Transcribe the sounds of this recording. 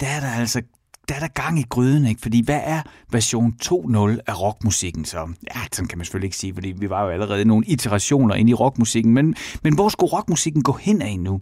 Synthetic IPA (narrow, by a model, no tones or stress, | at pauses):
d̥ææɐɾ̥ɑ̈æl̰sɐ | d̥æɐɾ̥ɑ̈ɡ̥ɑ̈ŋ̰iɡ̥ʁyð̞ˠn̩eɡ̥fɒ̽d̥ḭːʋæʔæɐʋæɐɕo̝̰ːnt͡sʰo̝̰ːnɔ̽læʁɒ̽ɡ̥musiɡ̥n̩sɒ̽jæsɒ̽nkʰæmænse̥følie̝ɡ̥siːfɒd̥ḭːʋiʋɑ̈jo̝æləʁɛːð̞ˠəno̝ːn̩it͡sʰeʁɑ̈ɕo̝̰ːnɐʔe̝niʁɒ̽ɡ̥musiɡ̥n̩menmenʋɒsɡ̥uʁɒ̽ɡ̥musiɡ̥n̩ɡ̥ɔ̰̽ːhen̰ɛɪnu